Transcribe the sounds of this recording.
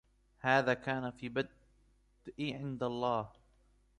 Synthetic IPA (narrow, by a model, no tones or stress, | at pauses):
haːðaːkaːnafiːbad̪̥ | ʔiʕɪnd̪alˤːɑːh